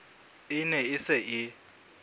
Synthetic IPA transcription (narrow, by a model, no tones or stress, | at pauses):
ɪnɛɪsɪʔɪ